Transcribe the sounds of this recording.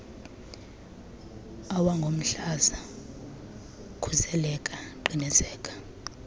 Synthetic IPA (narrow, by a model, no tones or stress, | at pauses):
awaŋɡʱom̩ɬaza | kʰuzɛlɛkʼaǃinɛzɛːkʼḁ